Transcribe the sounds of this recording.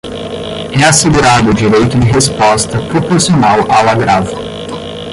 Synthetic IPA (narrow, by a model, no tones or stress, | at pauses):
ɛaseɡuɾad̪ʊd͡ʒiɾejt̪ʊd͡ʒɪɦespɔst̪ɐpɾopoɾsionawʔawɐɡɾav